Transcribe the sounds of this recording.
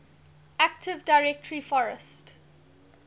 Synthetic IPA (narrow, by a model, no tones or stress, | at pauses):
æk̚tʰɪvdaɪɹɛk̚tʰəɹifɔɹəst